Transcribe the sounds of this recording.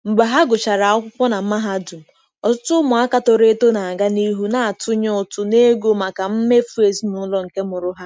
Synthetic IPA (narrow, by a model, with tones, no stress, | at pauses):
m̩˨ɡ͡ba˨ɦa˦ɡʊ˨t͡ʃa˨ɾa˨ɔ˦kʷʊ˦kʷɔ˦na˨m̩˦ma˦ɦa˦du˨m̩˨ | ɔ˨tʊ˦tʊ˦mʊ˨a˦ka˨tɔ˨ɾe˦to˦na˨a˨ɡa˦ni˦ɦu˦na˨a˨tʊ˦ɲɔ˦ʊ˨tʊ˦ne˦ɡo˦ma˨ka˨m̩˦me˦fu˦e˨snʊ˦lɔ˦ŋ̩˨ke˦mʊ˨ɾʊ˦ɦa˦